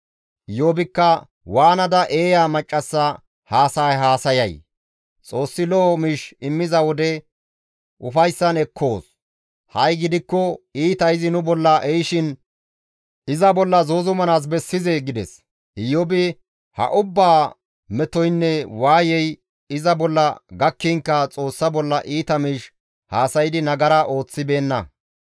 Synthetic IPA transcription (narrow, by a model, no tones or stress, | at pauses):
ɪjoːbɪkːɐ | waːnɐd̪ɐʔe̞ːjaːmɐt͡ʃʼːɐsːɐ | haːsaːjɦaːsɐjɐj | t͡sʼo̞ːsːɪlɔmɪʃɪmːɪzɐwɔd̪ɛ | ʔʊfɐjsːɐnɛkʰːo̞ːs | hɐjɡɪd̪ɪkːɔiːt̪ɐɪzɪnʊbɔlːɐʔɛjʃɪn | ʔɪzɐbɔlːɐzoːzʊmɐnaːs̬bɛsːɪzeɡɪd̪ɛs | ɪjɔbɪ | hɐ̰ʔʊbːaː | mɛt̪ɔjnːɛwaːjɛj | ɪzɐbɔlːɐɡɐkːiŋkːɐt͡sʼo̞ːsːɐbɔlːɐʔiːt̪ɐmiːʃ | haːsɐjɪd̪ɪnɐɡɐɾɐʔo̞ːt͡sːɪbe̞ːnːɐ